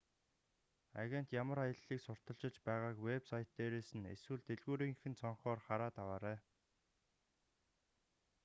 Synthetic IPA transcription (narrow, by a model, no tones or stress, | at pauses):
a̰ɣʲen̥t̪jamə̆ɾajə̆ɮːiːksʊr̥t̪ə̆ɬt͡ɕɪ̆t͡ɕpæːʁaːkwepsajt̪ːeːɾeːsɘ̆nḛswɘ̆ɮt̪eɮɣuːɾiːŋxɘ̆nt͡sʰɔɴχɔːrχaɾaːt̪awaːɾæː